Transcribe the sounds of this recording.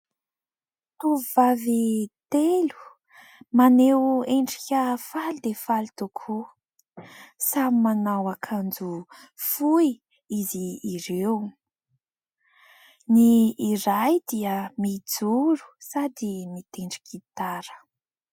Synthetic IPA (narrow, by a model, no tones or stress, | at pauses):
t̪uvuvavit̪elu̥ | maneweɳɖ͡ʐi̥kʲəfald̪efalit̪ukʰu | samimanawakʰand͡zufuj | iziːɾew | niːɾajd̪iəmid͡zuɾu̥sad̪imit̪eɳɖ͡ʐi̥kit̪aɾə̥